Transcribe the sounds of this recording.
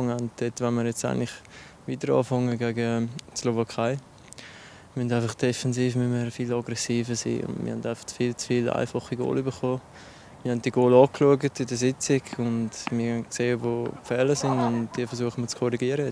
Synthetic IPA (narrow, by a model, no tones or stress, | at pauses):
ŋɛntd̥ɛtʋɛnməɾjɛt͡sa̰ɪŋlɪχ | viːtəɾɑ̰ːfɑŋəɡɛɡəslovɑkʰaɪ | mɛndaɪfɑχd̥ɛfɛnziːfmyməɾfilɑɡɾɛsiːfəsḭːʊ̰ndmʔɪ̰hɛndaɪfɑ̥χfiːlt͡sfiːla̰ɪfɑχiɡo̰ːlybəχoː | mɪhɛnt̚d̥iɡoːlɑːkluəɡətɪdəsɪt͡sɪɡʊntmɪnkseːəvoːpfɛːləsɪnʊn̚d̥iːfəɾsuəχəmət͡skʰɔɾiɡiəɾəjɛt͡s